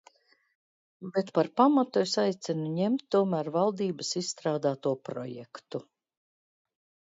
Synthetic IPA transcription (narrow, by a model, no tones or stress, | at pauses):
bet̪paɾpamat̪uesajt̪sʲɛnuɲemt̪̚ʲːuɔmæːɾvalˠd̪iːbəsissːt̪ɾaːd̪aːt̪uɔpɾɔ̰jɛ̰kt̪u